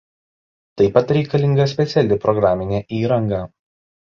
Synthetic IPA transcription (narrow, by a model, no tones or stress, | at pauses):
t̪ɐɪpɐt̪ɾʲɛɪkɐlʲɪŋɡɐsʲpʲɛt̪sʲɛlʲɪpɾɔɡɾaːmʲɪnʲɛːʔiːɾɐŋɡɑː